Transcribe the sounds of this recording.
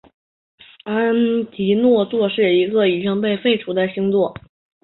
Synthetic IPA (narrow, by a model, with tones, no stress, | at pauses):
a˥nt̪ʰi˧˥nwɔ˥˧t͡swɔ˥˧ʂɻ̩˥˩i˧˥ɡə˧i˨˩ʈ͡ʂi˥ŋpe˥˧ɪfe˥˩ɪʈ͡ʂʰu˧˥d̪ə˥˩ɪɕi˥ŋt͡swɔ˥˩